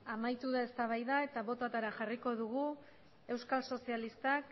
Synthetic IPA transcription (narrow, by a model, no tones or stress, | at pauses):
amajt̪uðae̞st̪aβ̞ajðae̞t̪aβo̞t̪at̪aɾaʝariko̞ðuɣu | e̞wskalso̞sialist̪ak